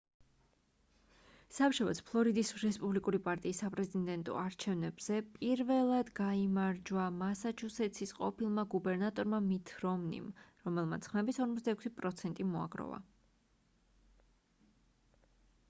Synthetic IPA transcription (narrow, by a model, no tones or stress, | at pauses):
sapʃɔvɛ̰t̪spʰlˠɔɾid̪isɾɛspʼublikʼuɾipʼaɾt̪ʼiːsːapʼɾɛzid̪ɛnt̪ʼɔ̰aɾt͡ʃʰɛvnɛbz̥ɛpʼiɾvɛlˠad̪ɡaimaɾd͡ʒwamasat͡ʃʰusɛt̪sʰisqʼɔ̰pʰilˠmaɡubɛɾnat̪ʼɔɾmamit̪ʰɾɔmnḭmɾɔmɛlˠma̰t̪sʰχmɛbisɔɾmɔt̪d̪aɛkʰsipʼɾɔt̪sʰɛnt̪ʼimɔa̰ɡɾɔ̰va̰